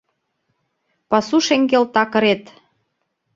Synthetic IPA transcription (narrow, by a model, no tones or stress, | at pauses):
pɑsuʃeŋɡelt̪ɑkə̆ɾet̪